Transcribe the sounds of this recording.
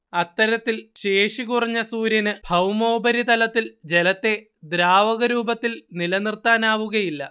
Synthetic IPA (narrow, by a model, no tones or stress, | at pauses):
ɐt̪ːɐɾɐt̪ːilɕeːʂikurɐɲːɐsuːɾjɐnɨbʱɐwmo̞ːbɐɾit̪ɐlɐt̪ːild͡ʑe̞lɐt̪ːe̞ | d̪ɾaːʋɐɣɐɾuːbɐt̪ːilnilɐnirt̪aːnaːʋuɣɐjilːɐ